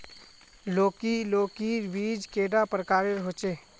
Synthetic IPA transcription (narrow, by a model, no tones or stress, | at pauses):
loːkiloːkiɾbiːd͡ʒkeːɖapɾəkaːɾeɾɦoːt͡ʃeː